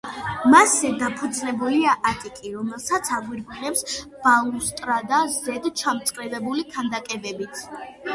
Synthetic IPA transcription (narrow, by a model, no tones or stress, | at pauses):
masɛd̪apʰud̪znɛbuliaʔat̪ʼikʼiɾɔmɛlˠsat̪sʰaɡwiɾbʁɛpsb̥aust̪ʼɾad̪azɛd̪t͡ʃʰamt̪sʼqʼɾɛvɛbulikʰand̪akʼɛvɛbit̪ʰ